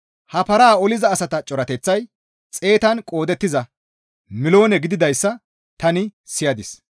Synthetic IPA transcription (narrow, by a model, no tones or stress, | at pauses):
hɐpɐɾaːɔlɪzɐːsɐt̪ɐt͡ʃʼɔɾɐt̪ɛt͡sːɐj | t͡sʼe̞ːt̪ɐnkʼo̞ːd̪ɛt̪ːɪzɐ | mɪlo̞ːnɛɡɪd̪ɪd̪ɐjsːɐ | t̪ɐnɪ | sɪjɐd̪ɪs